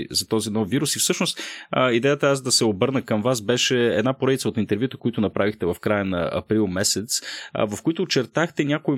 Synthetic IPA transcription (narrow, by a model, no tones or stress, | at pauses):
zɐt̪ɔzinɔfːiɾusifsɤʃnost̪id̪ɛjət̪əasd̪ɐsɛobɤɾnəkəmvasbɛʃɛɛ̰d̪napoɾɛd̪it̪səot̪int̪ɛɾvʲjut̪əkoit̪ʊnɐpɾavixt̪ɛvɐfkɾajənɐ̰ɐ̰pɾilˠmɛsɛt̪svɐfkʊit̪ʊːt͡ʃɛɾt̪axt̪ɛnʲakʊi